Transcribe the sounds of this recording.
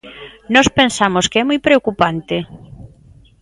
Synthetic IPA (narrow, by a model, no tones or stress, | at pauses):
nɔspensamoskeɛmujpɾeokupant̪ɪ